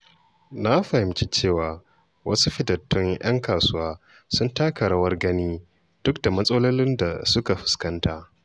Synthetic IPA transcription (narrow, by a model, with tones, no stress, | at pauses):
na˦ɸa˨hɪ˨mt͡ʃi˦t͡ʃeː˦˨waː˨ | wʔɐ˦su˦ɸɪ˦dɐ˨tːʊ˦ŋj̰ɐ̰˦ŋkaː˨sʊ˦waː˦ | sʊ˦ntaː˦kɐ˨ɽɐ˦wɐ˦rɡɐ˦niː˦ | d̥ʊ˦kda˨mɐ˦sʼɐ˦lo˦lɪ˦nda̰˨sʊ˦ka˨ɸɪ̥˨skɐ˦ntaː˦ʔ